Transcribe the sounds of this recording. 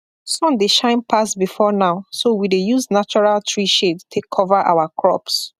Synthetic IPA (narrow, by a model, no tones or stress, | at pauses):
sɔ̃ndeʃãɪ̃npʰasbifɔnaʊsowidejuznat͡ʃɔɹaltʰɹiʃedtʰekʰɔvaʔa̰ʊakʰɹɔ̰ps